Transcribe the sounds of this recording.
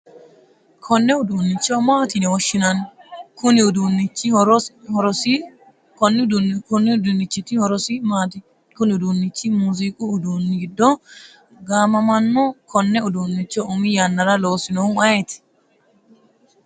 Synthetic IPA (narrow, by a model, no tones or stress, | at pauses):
kʰɔnːɛʊd̪unːɪt͡ʃːomaːt̪ɪnɪwɔʃːɪnɐnkʊnɪʊd̪unːɪt͡ʃːiɾhɔɾɔsi | kɔnːd̪nkʊnːɪd̪unːɪt͡ʃːɪt̪ːɪhɔɾɔsimaːt̪ɪ | kʊnɪʊd̪unːɪt͡ʃːimuːzikʼuʊd̪unːɪɡɪd̪ːɔ | ɡaːmɐmɐnːukʰɔnːɛʊd̪uːnːɪt͡ʃːɔʔʊmɪjɐnːɐɾɐloːsɪnɔʊɐjɛt̪ɪ̥